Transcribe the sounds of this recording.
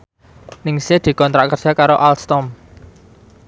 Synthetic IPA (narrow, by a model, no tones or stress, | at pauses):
nɪŋsed̪̥i̤kɔnt̪ɾaʔkərdʒ̥a̤kaɾoʔalst̪ɔm